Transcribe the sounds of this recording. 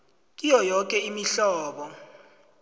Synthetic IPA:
k̬ʼijɔjɔk̬ʼɛimiɬɔːɓɔ

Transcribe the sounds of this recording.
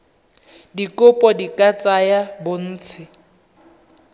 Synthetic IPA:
dikʼʊpʼɔdikʼat͡sʼajabʊn̩ːt͡sʰɪ

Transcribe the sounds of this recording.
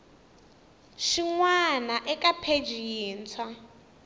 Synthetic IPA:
ʃiŋwanaʔɛkʼapʰed͡ʒiiːnt͡sʰwa

